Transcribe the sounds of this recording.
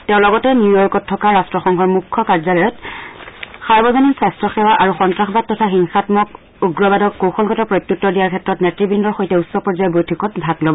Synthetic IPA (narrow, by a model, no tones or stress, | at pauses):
tɛʊ̃lɔɡɔtɛnjujɔjkɔtʰːɔkaɹastɹɔxɔŋkʰɔɹmukʰːɔkaɹzalɔjɔt | xaɹbɔzɔninsastɹɔxɛwaʔaɹuxɔntɹaxbat̚ːɔtʰaxiŋxatmɔk | uɡɹɔbadɔkːowxɔlɡʱɔtɔpɹojpjutːɔdijaɹkʰɛtɹɔtnɛtɹibindɔɹxojtɛusːɔpɔɹzajɔbojtʰikɔtbʱatlobɔ